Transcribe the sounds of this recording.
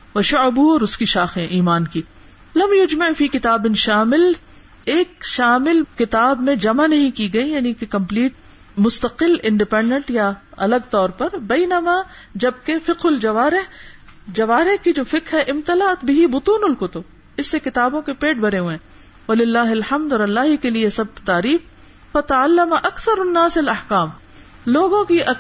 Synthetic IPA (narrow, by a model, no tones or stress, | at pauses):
ʋɐʃʊʕbuɔːɾʊskiʃaːxẽʔiːmaːnkiː | lɐmjʊd͡ʒmaʕfiːkɪt̪aːbɪnʃaːmɪl | eːkʃaːmɪlkɪt̪aːbmẽd͡ʒɐmanɐɦĩkiɡɐijaːnikekɐ̃mpliːʈ̚ | mʊst̪ɐqɪlɪ̃ɳɖɪpɛ̃ːɳɖə̃ɳʈjaɐləɡ̚t̪ɔːɾpɐɾbɛɪnɐmaː | d͡ʒɐb̚kefɪqɦʊld͡ʒɐʋaːɾɪɦd͡ʒɐʋaːɾɪhkid͡ʒoːfɪqɦɛʔɪmt̪ɐlat̪bɪɦibʊt̪uːnʊlqʊt̪ʊb | ɪsːekɪt̪aːbõkepeːʈ̚bɐɽeɦuẽː | ʋɐlɪlːaːɦɪlħɐmd̪ɔːɾɐlːaːɦikeliesɐb̚t̪aːɾiːf | fɐt̪ɐʕalːɐmɐʔɐkθɐɾɐnːaːsɐlɐħkaːm | loːɡõkiʔɐ